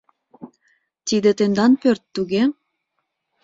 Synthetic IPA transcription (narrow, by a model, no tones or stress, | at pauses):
t̪id̪et̪end̪ɑnpørt̪ːuɣe